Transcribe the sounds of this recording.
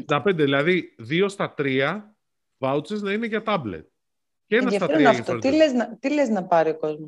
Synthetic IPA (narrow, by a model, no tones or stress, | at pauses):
d̪ɐpe̞nd̪eðilɐðiðio̞st̪ɐt̪ɾiɐ | vɐwt͡seznɐine̞ʝɐt̪ɐblḛt̪̚ | ceenɐsɐt̪ɐt̪ɾɐft̪oɾt̪ileznɐt̪ileznɐpɐɾio̞ko̞zmo